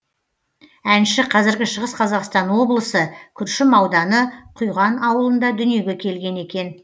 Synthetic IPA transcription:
ænʃɪqʰɑzɪɾɡʲɪʃəʁəsqʰɑzɑqst̪ɑnwo̞blˠəsəkʲʰʏɾʃɪmɑwd̪ɑnəqʰujʁɑnɑwəlˠənd̪ɑd̪ʏnije̞ɡʲe̞kʲʰe̞lɡʲe̞ne̞kʲe̞n

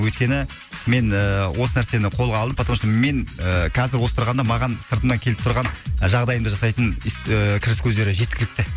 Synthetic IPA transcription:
wɵjt̪̚kʲe̞nɪ | me̞nəwʔo̞sənæɾse̞nɪqʰo̞lˠʁɑlˠd̪əmpʰɑt̪ɾmɑʃme̞ŋəqʰɑzɪɾwo̞sət̪əɾʁɑnd̪ɑmɑʁɑnsəɾt̪əmnɑŋkʲʰe̞lɪp̚t̪ʰʊɾʁɑnʒɑʁd̪ɑjəmd̪ɑʒɑsɑjt̪ənkʲʰɪɾɪskʲʰɵzd̪e̞ɾɪʒe̞t̪kʲɪlɪk̚t̪ɪ

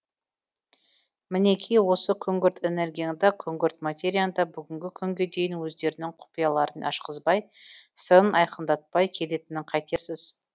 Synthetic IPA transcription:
mɪne̞kʲʰijwo̞səkʲʰɵŋɡʲʏɾt̪e̞ne̞ɾɡʲijand̪ɑkʲʰɵŋɡʲʏɾt̪mat̪ʲe̞ɾʲijand̪ɑbʏɡʲɪŋɡʲɪkʲʰʏŋɡʲe̞d̪e̞jɪnwɵzd̪e̞ɾɪnɪŋqʰʊ̥pijɑlˠɑɾənɑ̰ʃqəzbɑjsənɑjqʰənd̪ɑt̪̚pɑjkʲʰe̞le̞t̪ɪnɪɴqʰɑjt̪e̞ɾsɪz̥

